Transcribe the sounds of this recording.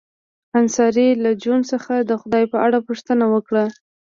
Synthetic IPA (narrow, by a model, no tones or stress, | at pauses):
ansɑɾilad͡ʒunsəxad̪əxʊd̪ɑjpəaɽapuʂt̪ənawəkɽa